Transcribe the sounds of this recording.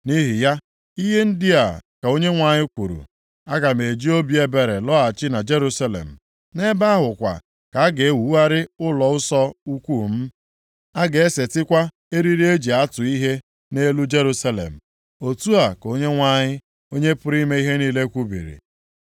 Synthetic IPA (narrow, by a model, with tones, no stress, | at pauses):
ni˦ɦi˨ja˦ | i˦ɦe˦n̩˦dɪ˦a̰˨ka˨o˦ɲe˦ŋʷa˨ɲɪ˦kʷu˨ɾṵ˨ | a˦ɡa˨m˨e˨d͡ʒi˦o˦bje˦be˨ɾe˨lɔ˦a˨t͡ʃɪ˦na˨d͡ʒe˦ɾu˦sa˦lḛ˨m̩˨ | ne˦ba˦a˦ɦʊ˨kʷa̰˨ | ka˨a˦ɡe˨˦wu˨˦a˦ɾɪ˦ʊ˦lɔ˨ʊ˦sɔ˦u˦kʷu˦˨m̩˦ | a˦ɡe˨e˦se˨tɪ˦kʷa˦ | e˦ɾi˦ɾi˦e˦d͡ʒi˨a˦tʊ˨i˦ɦe˦ | ne˦lu˦d͡ʒe˦ɾu˦sa˦lḛ˨m̩˨ | o˨tu˦a˨ko˦ɲe˦ŋʷa˦ɲɪ˦ | o˦ɲe˦pʊ˦ɾi˦me˦i˦ɦe˦niː˦le˦kʷu˦bḭ˨ɾḭ˨